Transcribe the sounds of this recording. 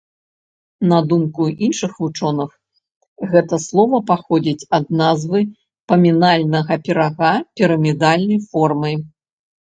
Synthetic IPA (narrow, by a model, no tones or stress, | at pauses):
nɐd̪umkuinʂɨxvut͡ʂɔnɨx | ɣɛt̪ɐslˠɔvɐpaxɔd͡zʲit͡sʲɐd̪̚nazvɨ | pɐmʲinalʲnɐɣɐpʲɛɾaɣapʲiɾɐmʲid̪alʲnɐjfɔrmɐj